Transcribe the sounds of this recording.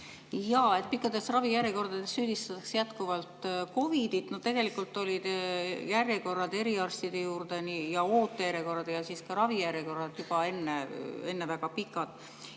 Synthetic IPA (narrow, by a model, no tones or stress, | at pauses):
jɑe̞t̪̚ˑpikˑːɑd̪̥e̞srɑvijæɾjeko̞rd̪ɑd̪̥e̞sːyːd̪̥ist̪ɑt̪ːɑksejæt̪kuvɑlt̪ˑko̞vid̪it̪not̪e̞ɡ̥e̞likˑult̪ːˑo̞lʲid̪̥jærjeko̞rːɑd̪e̞ɾiɑrst̪id̪̥e̞juːrd̪̥e̞nijɑo̞ːt̪ːˑeæɾeko̞rɑd̪̥jɑsiːskɑɾɑvijæɾjeko̞rːɑd̪̥jub̥ɑe̞nːee̞nːevæɡ̥ɑpikːˑɑd̪̥